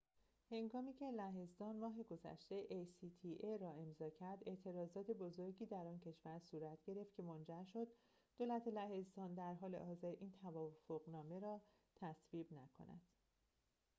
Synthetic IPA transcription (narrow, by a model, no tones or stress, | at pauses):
he̞ŋɡɒːmiːcʰe̞læɦe̞zd̪ɒːnmɒːɦe̞ɡo̞zæ̰ʃt̪e̞ʔejsit̪ʰiʔeɾɒːe̞mzɒːcʰæɾd̪e̞ʔt̪ʰe̞ɾɒːzɒːt̪ʰe̞bo̞zo̞ɾɟiːd̪æɾɒːncʰe̞ʃv̥æɾsuːɾæt̪ʰɟe̞ɾe̞ft̪̚cʰe̞mond͡ʒæɾʃo̞d̪̥̚ː | oːlæt̪ʰelæhe̞zd̪ɒːnd̪æɾɦɒːle̞̰ʔɒːze̞ɾʔiːnt̪ʰævɒːfoɣnɒːme̞ɾɒː | t̪ʰæsviːbnækʰo̞̰næ̰d̪̥